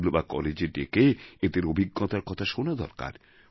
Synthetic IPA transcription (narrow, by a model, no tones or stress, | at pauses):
lbakɔ̰led͡ʑeɖekeed̪eɾobʱiɡːɔt̪aɾkɔt̪ʰaʃonad̪ɔ̰ɾka̰ɾ